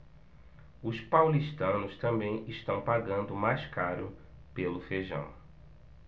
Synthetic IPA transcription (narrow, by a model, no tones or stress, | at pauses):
ʊspawliʃt̪ɐ̃nʊst̪ɐ̃mbẽj̃ɪʃt̪ɐ̃w̃paɾɡɐ̃nd̪ʊmajskaɾʊ | pelʊfeʒɐ̰̃w̃